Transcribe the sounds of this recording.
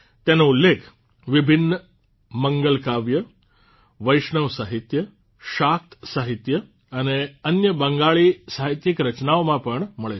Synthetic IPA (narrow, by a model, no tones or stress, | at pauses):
t̪janoulːekʰ | ʋibʱinːə | məŋɡəlkaʋjə | ʋəjʂɳəʋsaɦit̪jə | ʃak̚t̪saɦit̪jə | əneənjəbəŋɡaɭiːsaɦit̪jikɾət͡ɕnaʋmãpəɳməɭe